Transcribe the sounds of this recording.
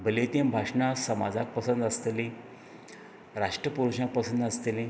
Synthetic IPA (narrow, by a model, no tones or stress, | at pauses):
bʱəlet̪ĩnbʱaʂɳãsəmad͡zʱak̚pəsənd̪əst̪eli | ɾaʂʈɾəpuɾuɕãk̚pəsənd̪əst̪elĩ